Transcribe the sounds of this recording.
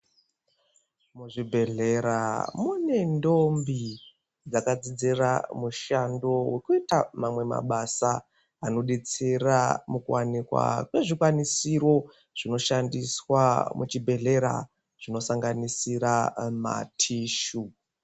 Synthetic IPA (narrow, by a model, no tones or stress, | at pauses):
muʐibʱe̞ɮe̞ɾamune̞ndo̞mbi | d͡zakad͡zid͡zeramuʃando̞we̞kuitamamwe̞ma̰ɓasa | ano̞ɗet͡seramukuwanikwa̰kwe̞ʐikwanisiɾo̞ | ʐ̥ino̞ʃandiswamut͡ʃibʱe̞ɮe̞ɾa̰ | ʐ̥ino̞saŋɡanisiɾama̰tʰiːʃu